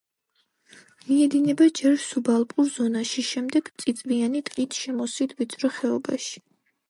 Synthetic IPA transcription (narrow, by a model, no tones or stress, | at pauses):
miɛd̪inɛbad͡ʒɛɾsubalˠpʼuɾzɔnaʃiʃɛmd̪ɛɡ̥t̪sʼit̪sʼvianit̪ʼqʼit̪ʰʃɛmɔsit̪ʰvit̪sʼɾɛχɛɔbaʃi̥